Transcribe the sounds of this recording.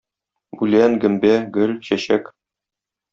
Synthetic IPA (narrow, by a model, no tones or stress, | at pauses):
bʉlænɡɘ̆mbæɡɵlɕæɕæk